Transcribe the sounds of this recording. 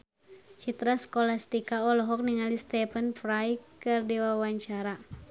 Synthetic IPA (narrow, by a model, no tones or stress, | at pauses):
t͡ʃit̪ɾaskɔlast̪ikaɔlɔɦɔk̚niŋalist̪ɛpənfɾajkɨrdiwawaɲt͡ʃaɾa